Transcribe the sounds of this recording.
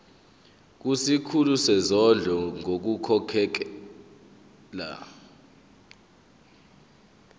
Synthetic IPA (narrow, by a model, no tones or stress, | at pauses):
k̬usikʰulusɛzɔɮʱɔŋok̬ukʰɔkʰɛk̬ɛ | la̰